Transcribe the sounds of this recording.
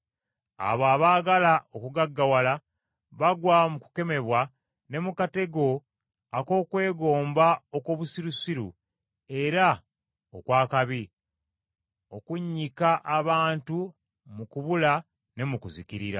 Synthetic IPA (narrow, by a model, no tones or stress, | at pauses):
a̰βaβaːɡalao̞kuɡaɡːawala | βaɡwamuku̥ke̞me̞βwa | ne̞mukate̞ɡo̞ | ako̞ːkwe̞ːɡo̞ːmbaokoβusiɾusiɾṵ | e̞ɾa | o̰kwaːkaβi | o̞kuɲːikaʔaβaːntu | mukuβula | ne̞mukuzikiɾiɾa̰